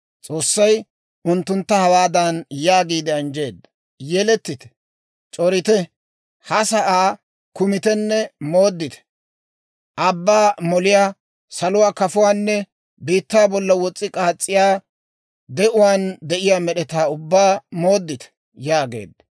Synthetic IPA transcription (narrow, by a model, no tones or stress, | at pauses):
t͡sʼo̞ːsːɐj | ʊnt̪ːʊnt̪ːɐhɐwaːd̪ɐnjaːɡiːd̪ɛɐnd͡ʒe̞ːd̪ːɐ | jɛlɛt̪ːɪt̪ɛ̥ | t͡ʃʼɔɾɪt̪ɛ | hɐsɐʔaː | kʊmɪt̪ɛnːɛmo̞ːd̪ːɪt̪ɛ̥ | ʔɐbːaːmɔlɪjaː | sɐlʊwaːkɐfʊwaːnːɛ | biːt̪ːaːbɔlːɐwɔt͡sʼːɪkʼaːt͡sʼːɪjaː | d̪ɛʔʊwaːnd̪ɛʔɪjaːmɛɗɛt̪aːʊbːaːmo̞ːd̪ːɪt̪ɛ̥ | jaːɡe̞̰ːd̪ːɐ